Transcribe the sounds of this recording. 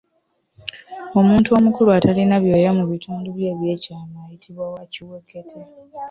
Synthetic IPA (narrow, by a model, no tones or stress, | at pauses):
o̞muːntuo̞mukuluatʰalinaβjo̞ːjamuβitʰuːnduβje̞ːβje̞ːcaːmajitʰiβwawaciwekːetʰa